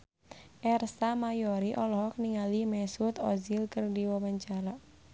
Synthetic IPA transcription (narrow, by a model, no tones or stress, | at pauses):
ʔɛrsamajɔɾiʔɔlɔɦɔk̚niŋalimɛsut̪ɔzilkərdiwawaɲt͡ʃaɾa